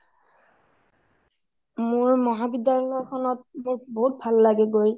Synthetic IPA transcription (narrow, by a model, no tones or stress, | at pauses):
moɹmɔɦabidjalɔlɔjkʰɔnɔt̚moɹboɦut̚bʱalːaɡɛɡoj